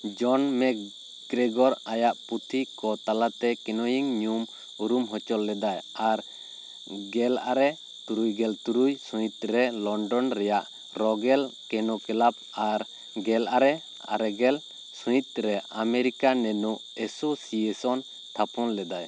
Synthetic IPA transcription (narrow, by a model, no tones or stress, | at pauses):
d͡ʒɔnmɛ | ɡɾɛɡɔɾajaʔput̪ʰikɔt̪alat̪ɛkɛnɔjiŋɲum | uɾumɦɔt͡ʃɔlːɛd̪ajaɾ | ɡɛlaɾɛ | t̪uɾujɡɛlt̪uɾujsujit̪̚ɾɛlɔɳɖɔnɾɛjaʔ | ɾɔɡɛlkɛnɔkɛlap̚aɾ | ɡɛlaɾɛ | a̰ɾɛɡɛl | sũjit̪̚ˀɾɛʔameɾikanɛnuʔ | ɛsusiɛsɔn | t̪ʰapʰɔnlɛd̪aj